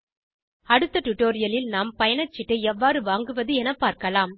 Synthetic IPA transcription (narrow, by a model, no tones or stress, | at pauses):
ɐɽɯt̪ːɐʈʊʈːoːɾɪjɐlɪlnaːmpɐjɐɳɐt͡ʃːɪʈːɯɛʋːaːɾɯʋaːŋɡɯʋɐðɯɛnɐpːaːɾkɐlaːm